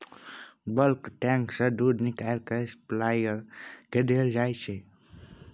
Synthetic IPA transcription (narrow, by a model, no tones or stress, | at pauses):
bəlkʈɛ̃ŋksəd̪uːd̪nɪkalkesplaːjəɾkeɖ̪eːld͡ʒaːjt͡ʃʰe